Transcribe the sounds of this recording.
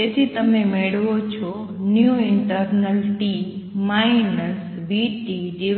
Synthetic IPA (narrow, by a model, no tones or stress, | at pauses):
et̪ʰit̪ɐmẽmeɽʋot͡ɕʰo | njuɪɳʈəɾnəlʈiː | maːɪnəs | biːʈid͡ʑiː